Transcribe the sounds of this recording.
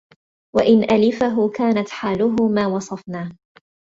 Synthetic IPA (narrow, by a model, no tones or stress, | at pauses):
waʔɪnʔalɪfaɦʊkaːnat̪ħaːlʊɦʊmaːwɑsˤɑfnaː